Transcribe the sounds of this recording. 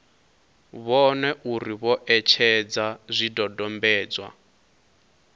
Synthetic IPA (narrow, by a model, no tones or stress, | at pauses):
βɔnɛʔuɾiβɔʔɛt͡ʃʰɛd͡zazʷidɔdɔmbɛːd͡zwa̰